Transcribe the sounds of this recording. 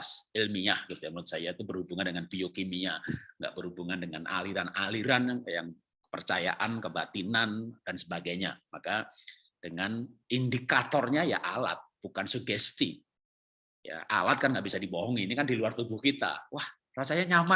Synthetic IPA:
sɪlmiahɡ̥it̪ujamnʊt̪̚sajait̪ubərhubuŋandəŋanpiokimiaŋɡa̰ʔbərhubuŋandəŋanʔa̰liɾanaliɾanajaŋ | kə̥pə̰rt͡ʃaja̰ʔankəbat̪inand̥ansəbaɡajɲa̰maka | d̥əŋanindikat̪ɔrɲaja̰ʔala̰t̪̚b̥ukansuɡɛst̪i | ja̰ʔa̰lat̪̚kanŋɡaʔbisadibɔɦɔŋinikandiluart̪ubuhkit̪a̰wah | rasaɲaɲama

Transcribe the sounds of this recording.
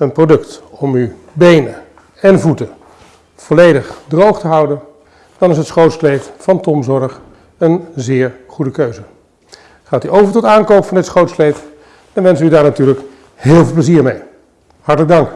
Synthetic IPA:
ənprodɵktɔmy | bejnə | ɛnvutə | v̥ɔlejdəχdrowχtəɦʌwdən | d̥ɑnɪsɦətsχrowtsklejffɑntɔmzɔɹəχ | ənzɪːɹχudəkøɥzə | χaːtyʔowvəɹtɔtaːnkowpfɑndɪtsχrowtsklejf | d̥ɑnʋɛnsʋəydaːɹnatyːɹlək | hɪːlˠvɪlˠpləziːɹmej | hɑɹtələɡ̚dɑŋk

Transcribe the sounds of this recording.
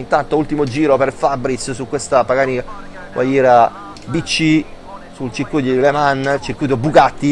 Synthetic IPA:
int̪ant̪oult̪imod͡ʒiːɾoperfabɾissukwest̪apaɡanika | kwa̰jɛːɾa | bit͡ʃːi | sult͡ʃikːuʎːod̪ilemant͡ʃirkːiːt̪̬obːukat̪ːi

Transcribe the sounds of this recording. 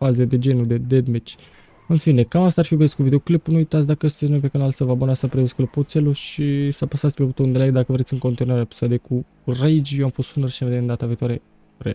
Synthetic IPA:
fazed̪e̞d͡ʒe̞nud̪ed̪ed̪met͡ʃ | ɨnfine̞kamast̪aːrfiesʲkuvid̪eoklipunuujt̪at̪sʲd̪akəst̪esʲnojp̬ekənalsəvabonast̪apɾiesʲklipot̪seluʃisəapasat̪sʲpeut̪ound̪elajd̪akəvɾet̪sʲɨŋko̞nt̪inuaɾeapsad̪eku | rejd͡ʒjewamfo̞st̪sunərʃineved̪eɨnd̪at̪avikt̪waɾe | ɾḛ

